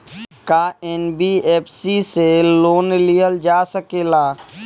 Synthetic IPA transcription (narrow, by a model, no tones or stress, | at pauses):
kaːɛnbiːeːpʰsiseloːnlijəld͡ʒaːsəkeːlaː